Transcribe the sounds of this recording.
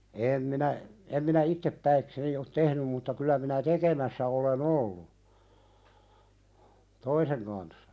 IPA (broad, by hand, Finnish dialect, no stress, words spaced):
eːm minæ em minæ itːepːæikseni ot tehnym mutːɑ kylˑæ minæ tekemæsːæ olen olːu toiseŋ kɑnsːɑ